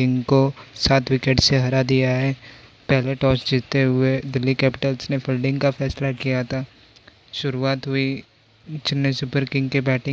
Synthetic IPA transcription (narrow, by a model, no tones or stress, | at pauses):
ɪ̃ŋɡkosaːt̪ʰwɪkeːʈseɦɐɾad̪ijaɦɛː | pɛɦleʈɔːsd͡ʒɪːt̪ːeɦʊed̪ɪlːikɛːpɪ̥ʈəlsnepʰɪlɖɪ̃ŋɡkafɛːslakijat̪ʰaː | ʃʊɾuaːt̪ɦʊi | t͡ʃɪnːesʊpəɾkɪ̃ŋɡkebɛːʈɪ̃